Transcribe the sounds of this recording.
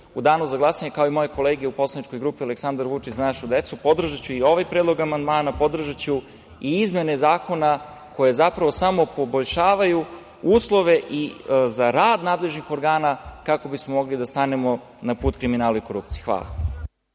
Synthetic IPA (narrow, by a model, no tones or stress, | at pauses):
ud̪aːnuzaɡlˠasaɲekaoimo̞jeko̞leːɡeupo̞slˠanit͡ʃko̞jɡɾuːpiale̞ksand̪aɾʋut͡ʃit͡ɕzanaʃud̪e̞t̪supo̞d̪r̩ʒat͡ɕuio̞ʋajpɾed̪lˠo̞ɡamand̪maːnapo̞d̪r̩ʒat͡ɕu | iizme̞nezaːko̞na | ko̞je̞zapɾaʋosamo̞po̞boʎʃaːʋaju | uːslˠo̞ʋe̞ʔizaɾaːd̪naːd̪le̞ʒnixo̞ɾɡaːnakako̞bismomo̞ɡlid̪ast̪anemo̞ | napuːt̪kɾiminaːlˠaiko̞ɾup̚t̪sijexʋa̰ːlˠa̰